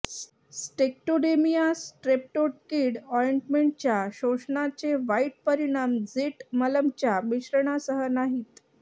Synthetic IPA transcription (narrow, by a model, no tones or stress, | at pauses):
sʈek̚ʈoɽemijasʈɾep̚ʈoʈ̚kiɽɔɾjeɳʈmeɳʈ̚t͡ɕjaɕoʂɳat͡seʋaiʈ̚pəɾiɽ̃amd͡ziʈmələmt͡ɕjamiɕɾəɳ̃asəɦənaɦiːt̪